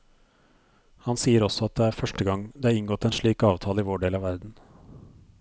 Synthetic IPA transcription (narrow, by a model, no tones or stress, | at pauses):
hɑnsiːəɾɔsɔɑt̪̚d̪ɛæːɾfœʂʈəɡɑŋd̪ɛɑːɾɪŋɡɔt̪ːɛːnʂɭiːkɑːʋt̪ʰɑːləɪːʋoːɖeːlɑːʋæɾd̪n̩